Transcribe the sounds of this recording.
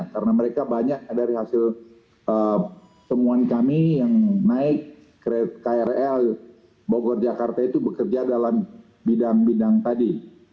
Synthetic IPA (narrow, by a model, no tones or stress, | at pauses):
kaɾənaməɾekabaɲak̚adaɾiɦasɪl | ə | səmuankamijaŋnaɪkː | ɾet̪̚kaɛɾɛl | boɡɔrd͡ʒakart̪ait̪ubəkərd͡ʒadalam | bidaŋbidaŋt̪adi